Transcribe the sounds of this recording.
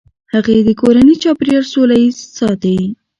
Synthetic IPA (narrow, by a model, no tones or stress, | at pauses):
haɣaed̪əkoɾanit͡ʃɑpɾijaɾsolajizsɑt̪awi